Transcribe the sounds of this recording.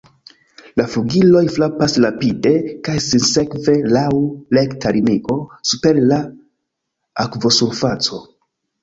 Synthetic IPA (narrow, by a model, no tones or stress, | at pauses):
lafuɡilo̞jflapaslapide̞kajsinse̞kve̞lawlektaɾiniko̞supe̞ɾla | akvo̞suɾfat͡so̞